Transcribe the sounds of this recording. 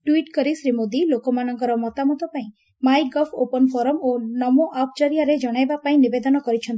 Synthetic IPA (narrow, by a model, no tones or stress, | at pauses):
ʈwiʈkɔɾisɾimod̪ilokɔmanɔŋkɔɾɔmɔt̪amut̪ɔpaĩ | majɡɔfʰopɔnfɔɾɔmonɔmoʔap̚ʰt͡ʃɔɾijaɾed͡ʒɔɽ̃ajbapaĩnibed̪ɔnɔkɔɾit͡ʃʰɔnt̪